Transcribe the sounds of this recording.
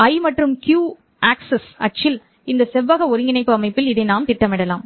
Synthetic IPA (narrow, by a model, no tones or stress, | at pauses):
ɐɪmɐʈrɯmkjuː | aːksɛsɐ̰ʈ̚t͡ʃːɪl | ɪnd̪ɐsɛʋːaɣɐɔɾɯŋɡɪnɐɪpːɯɐmɐɪpːɪlɪðɐɪnaːmt̪ɪʈːɐmɪɽɐlaːm